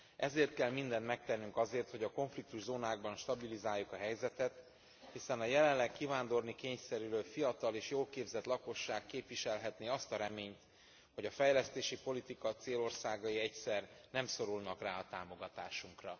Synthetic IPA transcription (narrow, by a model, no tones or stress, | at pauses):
ɛzeːrt̪̚kɛlmind̪ɛnt̪mɛk̚t̪ɛnːyŋkɒzeːrt̪ho̞ɟɒko̞ɱflik̚t̪uʒzoːnaːɡ̚bɒnʃt̪ɒbilizaːjːukɒɦɛjzɛt̪ɛt̪ | hisɛnɒjɛlɛnlɛkkːivaːnd̪o̞rnikeːɲsɛɾyɾøːlfijɒt̪ɒleːʃjoːlkeːbzɛt̪lɒko̞ʃːaːkːeːpʋiʃɛlɦɛt̪neːɒst̪ɒɾɛmeːɲt̪ | ho̞ɟɒfɛjlɛst̪eːʃipo̞lit̪ikɒt̪seːlo̞rsaːɡɒiɛcsɛrnɛmso̞ɾulnɒkraːɒt̪aːmo̞ɡɒt̪aːʃuŋkrɒ